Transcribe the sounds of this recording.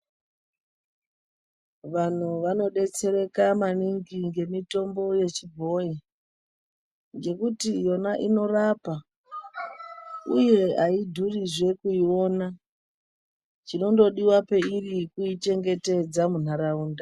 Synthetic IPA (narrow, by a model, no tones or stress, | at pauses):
ʋan̤uʋano̞ɗe̞t͡se̞ɾe̞kamaniŋɡiŋɡe̞mito̞mbo̞je̞t͡ʃibʱo̞ji | ŋɡe̞kutijo̞naʔino̞rapa | uieʔaidʱuriʐe̞kuio̞na | t͡ʃino̞ndo̞ɗiwape̞irikuit͡ʃe̞ŋɡe̞te̞d͡zamun̤aɾauːnda